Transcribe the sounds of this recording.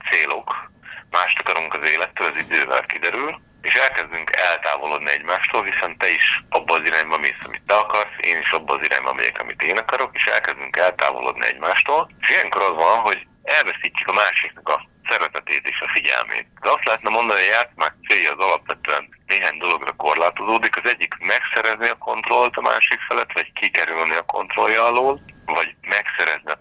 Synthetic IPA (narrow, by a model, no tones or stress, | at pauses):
t̪seːlo̞kmaːʃt̪ɒkɒɾuŋkɒzeːlɛt̪ːøːlɒzid̪øːvɛ̰lkid̪ɛɾyl | eːʃɛlkɛzd̪yŋkʰɛlt̪aːvo̞loːd̪niɛɟmaːʃt̪oːlɦisɛnt̪ɛiʃɒbːɒːziɾaːɲbɒmisɒmḭt̪ːɛɒkɒrsḛːniʃɒbːɒːziɾa̰ːɲbɒ̰mɛ̰jɛ̰kɒ̰mḭt̪eːnɒkɒɾo̞keːʃɛ̰lkɛzd̪yŋkɛlt̪a̰ːvo̰lo̰ːd̪nḭɛ̰ɟmaːʃt̪oːleʃijɛŋko̞ɾɒzʋɒnɦo̞ɟ | ɛlvɛsiːcːy̥kɒmaːʃiknɛkɒ | sɛɾɛt̪ɛt̪eːt̪eːʃɒfiɟɛ̰lmḛːt̪d̪ɛɒst̪lɛɦɛt̪nɛmo̞nd̪ɒnijaːt̪smaːkt̪seːjːɒːzɒlɒpʋɛt̪øɛnneːɦaːɲd̪o̞lo̞ɡrɒko̞rlaːt̪o̞zoːd̪ikɒzɛɟːikmɛksɛɾɛzniɒko̞nt̪ro̞lt̪ɒma̰ːʃikfɛlɛt̪ːʋɒckikɛɾylniɒko̞̰nt̪ro̞̰ljɒːloːlvɒɟmɛksɛɾɛzniɒ